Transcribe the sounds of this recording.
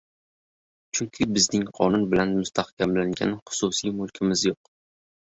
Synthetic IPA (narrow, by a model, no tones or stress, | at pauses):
t͡ʃʰʊŋkʲʰɪbɪznɪŋqʰɒnʊnbɪlanmʊst̪ʰahkʲʰamlaŋɡʲa̰nɪχʊ̥sʊsijmʊlˠkʲʰɪmɪzjoq